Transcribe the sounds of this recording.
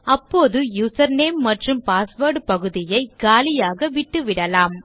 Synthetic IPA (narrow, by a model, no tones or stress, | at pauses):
ɐpːoːðɯjuːsɐɾneːmːɐʈrɯmpaːsʋɐːɾɖpɐɣɯðɪjɐɪɡ̥aːlɪjaːɣɐʋɪʈːɯʋɪɽɐlaːm